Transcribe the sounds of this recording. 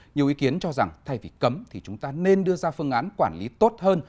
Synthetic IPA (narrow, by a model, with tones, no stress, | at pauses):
ɲ˨˩əwʔi˨˦ki˨˦ənt͡ɕɔ˧za˨˩ŋt̪ʰa˧jvḭ˨˩kə˨˦mt̪ʰi˨˩t͡ɕʊ˨˦ŋ͡mt̪aː˧ne˧nɗɨ˧əzaː˧fɨ˧əŋʔaː˨˦nkwaː˧˩nlḭ˨˦t̪o˦˥t̚həː˧n